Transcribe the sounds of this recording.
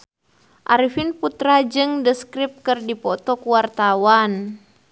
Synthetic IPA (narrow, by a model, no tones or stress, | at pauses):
ʔaɾifinput̪ɾad͡ʒɨŋdəskɾip̚kɨrdipɔt̪ɔkuwart̪awan